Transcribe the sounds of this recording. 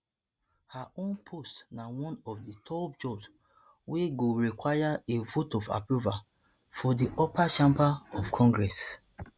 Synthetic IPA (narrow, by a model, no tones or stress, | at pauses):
haõnpʰostnawɔ̃nɔfditʰɔb̚d͡ʒɔbs | weɡoɹikwajaevotɔfa̰pɹuva | fɔdiʔɔpaʃãmpaɔfkʰɔ̃ŋɡɹɛs